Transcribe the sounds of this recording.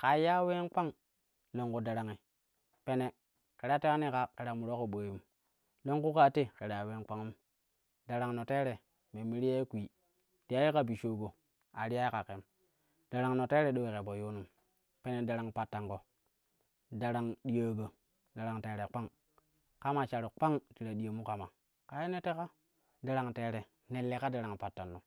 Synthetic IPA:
ka˨ja˦we˦nk͡pa˦ŋ | lo˨ŋku˦da˨ɾa˨ŋi˨ | pe˦ne˨ | ke˨ɾa˦te˦a˦ni˦ka˨ke˨ɾa˨mu˨ɾo˦ko˨ɓə˨ju˨m | lo˦ŋku˦ka˦te˦ke˨ɾa˨we˦nk͡pa˦ŋu˦m | da˨ɾa˨ŋno˨te˦ɾe˨ | me˨mi˦ɾi˦ja˦i˦kʷi˨ | ti˨ja˦ji˦ka˦bi˨ʃo˨ɡo˨ | a˨ɾi˦ja˦jka˨ke˨m | d̥a˨ɾa˨ŋno˨te˦ɾe˨ɗo˦we˨ke˨bo˨jo˦nu˨m | pe˦ne˨da˨ɾa˨ŋpa˨tːa˨ŋko˨ | da˨ɾa˨ŋɗi˦jə˦ɡə˨ | da˨ɾa˨ŋteː˨ɾe˨k͡pa˦ŋ | ka˦ma˨t͡ʃa˨ɾu˨k͡pa˦ŋti˨ɾa˨ɗi˨ja˨mu˦ka˨ma˨ | ka˨je˦ne˦te˦ka˦ | da˨ɾa˨ŋte˨ɾe˨ | ne˨lːe˨ka˦da˨ɾa˨ŋpa˨tːa˨nːo˨

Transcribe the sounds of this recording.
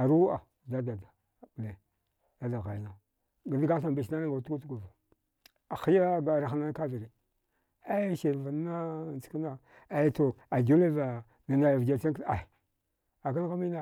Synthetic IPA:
a˨ɾu˦a˨da˦da˨da˨ | ble˨ | da˦da˨ɣa˨jna˨ | ɡa˨dɡa˦ɬa˨mbe˨ʃna˦na˦ŋɡa˨tu˦ku˦tu˦ɡu˨va˨ | a˨xi˦ja˦a˨ɾa˨xna˦n˦ka˦vi˨ɾi˨ | a˦ʃe˨va˨n˦a˦˨nt͡ska˦na˦ | a˨jto˨a˨ɡu˦le˦va˨ | na˨na˨ja˨vɡa˨t͡ʃa˦ŋka˨ | a˨ka˦n˦ɣa˦mi˦na˦˨

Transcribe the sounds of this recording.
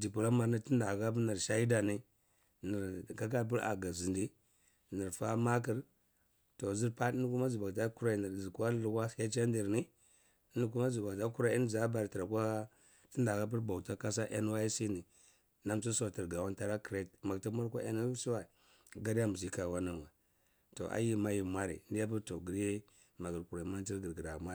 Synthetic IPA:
d͡ʒi˨pu˨la˦ma˨ɾni˦ti˦nda˨ɡa˦p̬ni˨ɾʃa˦i˦da˨ni˦ | ni˨ɾka˦ka˦˨p̬i˦ɾa̰˨ɡa˨zi˨ndi˦ | ni˨ɾfa˦ma˦k̬i˦ɾ | to˨zi˦ɾpa˦i˦n˦ku˦ma˦zi˨ba˨ɡta˦ku˦ɾa˦˨ni˨ɾzi˨ka˦lu˨ka˦˨ke˦t͡ʃa˦n˦di˨ɾni˦ | i˦n˦k̬u˦ma˦zi˨ba˨ta˦ku˦ɾa˦i˦n˦za˦ba˨ɾti˨ɾa˨kʷa˦ | ti˦nda˨ka˦p̬i˦ɾba˨ta˦ka˦sa˦ʔḛ˦n˦wa˦i˦si˦ni˨ | na˦mt͡ʃi˦sa˨ti˨ɾɡa˨wa˦nta˦ɾa˦ki˨ɾe˦tma˨ti˦ma˦ɾkʷa˦e˦n˦si˦wa˨ | ɡa˦ɾja˦mu˨zi˦ka˨wa˦na˦nwa˨ | to̰˨ʔa̰˦ji˦ma˦ji˨mʷa˦ɾḭ˨˦ndi˦ja˦p̬u˦ɾto˨ɡi˨ɾje˦ | ma˨ɡə˨ɾku˨ɾa˨ma˦n˦ti˦ɾɡə˨ɾɡi˨ɾa˨mʷa˦˨

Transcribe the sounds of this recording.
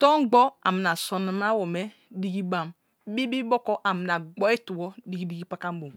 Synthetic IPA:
tɔ˦ɡ͡bɔ˦a̰˨mi˨n˨a˨so˨na˨m˦a˦wo˨me˦ | di˦ɡi˦ba˦m˦ | bi˦bi˦bo˦kɔ˦ʔa˨mi˨na˨ɡ͡bɔ˦e˦tu˨wɔ˦di˦ɡi˦di˦ɡi˦pa˦ka˦m˦bo˨m˨

